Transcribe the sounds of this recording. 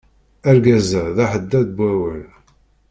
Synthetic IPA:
æɾɡæzəðaħəd̪ːæðbʷæwəl

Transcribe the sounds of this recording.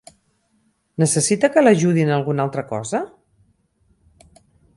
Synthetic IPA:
nəsəsit̪əkələʒuðinəlˠɣunalˠt̪ɾəkɔ̰zə

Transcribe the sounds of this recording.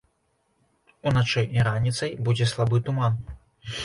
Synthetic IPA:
unat͡ʂɨjiɾanʲit̪sɐjbud͡zʲɛslˠabɨt̪uman

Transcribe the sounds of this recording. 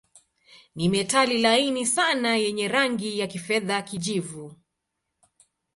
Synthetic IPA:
nimɛtalilainisanajɛɲɛɾaŋɡijakifɛðakiʄivu

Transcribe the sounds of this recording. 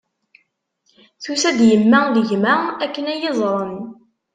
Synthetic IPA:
θusæd̪jəmːæðəʝmæækːənæjezˤɾˤən

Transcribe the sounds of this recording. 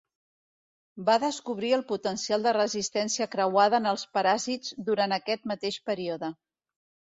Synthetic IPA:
baðəskuβɾiəlˠput̪ənsialˠd̪ərəzist̪ɛnsiəkɾəwaðəːnəlˠspəɾazid͡zd̪uɾanəkɛt̪mət̪eʃpəɾioðə

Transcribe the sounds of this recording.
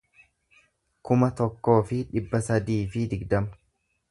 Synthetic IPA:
kʊmɐt̪ɔkːo̞ːfɪᶑɪbːɐsɐd̪iːfɪd̪ɪɡd̪ɐmɐ̥

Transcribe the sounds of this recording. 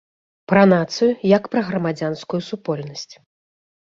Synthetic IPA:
pɾɐnat̪sɨjujɐkpɾɐɣɾɐmad͡zʲanskujusupɔlʲnɐsʲt͡sʲ

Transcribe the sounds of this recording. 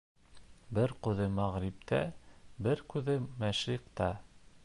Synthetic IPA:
bɘɾqɤðɤmæʁɾip̚t̪ʰæbɘɾkʉðɘmæʃɾiqt̪ɑ

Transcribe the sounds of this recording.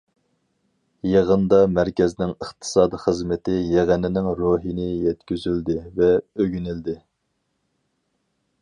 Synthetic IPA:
jeʁənd̪ɑmæɾkʲɛznɪŋəχt̪ʰɨ̥sɑːd̪iχəzmɪt̪ɪjeʁænɪnɪŋɾoɦinɪjɛt̪kʲyzyld̪ɪvɛøɡʲynɪld̪ɪ

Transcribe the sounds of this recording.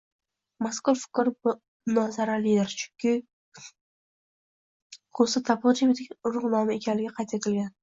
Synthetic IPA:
maskʊɾfɪ̥kʲɾbʊ | nɒzaɾalɪjd̪ɪɾt͡ʃʰʊ̥ŋkʲɪ | kʰosɪt̪ʰapʊt͡ʃɪbɪt̪ɪkʲɾʊʁnɒmɪekʲʰanlɪɡʲɪqʰɑjt̪ʰet̪ʰɪlɡʲan

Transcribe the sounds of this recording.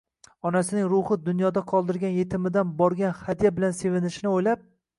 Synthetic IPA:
ɒnasɪnɪŋɾʊhɪd̪ʊnjɒd̪aqʰɒlˠd̪ɪɾɡʲanje̞t̪ʰɪmɪd̪anbɒɾɡʲanhad̪ijabɪlanse̞vɪnɪʃɪnɪojlap̚

